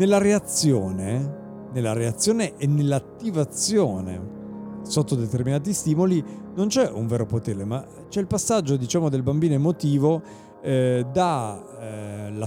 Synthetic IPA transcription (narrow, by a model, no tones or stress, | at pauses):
nelːaɾeat̪sːjoːne | nelːaɾeat̪sːjoːneʔenːelːat̪ːivat̪sjoːnḛ | sot̪ːod̪et̪erminaːt̪̬ist̪iːmolinont͡ʃɛʔuɱvɛːɾopot̪eːɾema | t͡ʃɛilpasːad͡ʒːod̪it͡ʃaːmod̪elbambiːnoemot̪iːvo | d̪a | la